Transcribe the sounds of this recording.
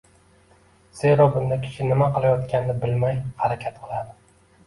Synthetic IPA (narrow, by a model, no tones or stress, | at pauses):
z̥e̞ɾɒbʊnd̪akʲʰɪ̥ʃɪnɪmaqɨlˠajɒt̪kʲanɪnɪbɪlmajhaɾakʲʰat̪qʰɨlˠad̪ɪ